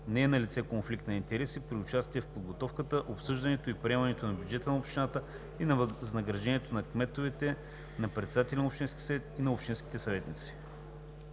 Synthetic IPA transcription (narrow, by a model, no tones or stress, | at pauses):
nɛːnɐlʲit̪sɛkonflikt̪nɐint̪ɛɾɛsipɾiʊt͡ʃast̪iɛfpod̪ɡot̪ɔfkət̪əʔopsɤʒd̪ɐnɛt̪oipɾʲiɛmɐnɛt̪onɐbʲjud͡ʒɛt̪ənɐopʃt̪inat̪ə | inznɐɡɾɐʒɛniɛt̪onɐkmɛt̪ovɛt̪ɛ | nɐpɾɛt̪sɛd̪at̪ɛlʲɛnopʃt̪inskʲisɐvɛt̪inɐopʃt̪inskʲi̥t̪ɛsɐvɛt̪nit̪si̥